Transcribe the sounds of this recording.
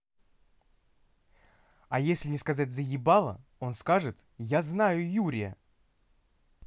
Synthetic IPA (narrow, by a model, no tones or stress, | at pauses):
ajesʲlʲɪnʲɪskɐzatʲzəjʲɪbalˠə̰o̞nskaʐɨt̪ | jaznajʊjuɾʲɪjə̰